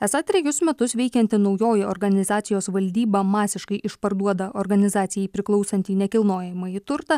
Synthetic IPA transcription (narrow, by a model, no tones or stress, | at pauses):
ɛsɐt̪ʲɾʲɛjʊsmʲɛt̪ʊsʋʲɛɪkʲɛnʲt̪ʲɪnɒʊjoːjɪɔɾɡɐnʲɪzɑːt̪sʲɪjoːsʋɐlʲd̪ʲiːbɐmɑːsʲɪʃkɐɪʔɪʃpɐɾd̪uɔd̪ɐʔɔɾɡɐnʲɪzɑːt̪sʲɪjɛɪpʲɾʲɪklˠɒʊsɐnʲt̪ʲiːnʲɛkʲɪlˠnoːjɛmɐit̪ʊɾt̪ɐ